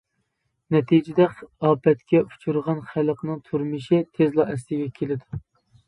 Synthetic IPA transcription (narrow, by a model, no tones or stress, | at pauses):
nɛt̪ʰid͡ʒɪd̪ɛɑːpɛt̪kʲɛu̥t͡ʃʰuɾʁɑnχælˠqnɨŋt̪ʰuɾmɨʃɪt̪ʰezlˠɑɛslɪɡʲɛkʲʰelɪd̪u